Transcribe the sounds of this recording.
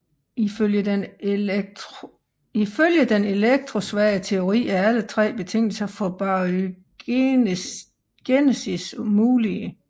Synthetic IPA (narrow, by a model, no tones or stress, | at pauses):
iføljə̥ | iføljəd̥ene̝leɡ̥̚d̥ʰʁo̝sʋæɐət͡sʰe̝o̝ʁḭːæælət͡sʰʁɛ̰ːb̥e̝t͡sʰe̝ŋ̰l̩sɐfɒ̽b̥ɑ | ɡ̥enesismuːliə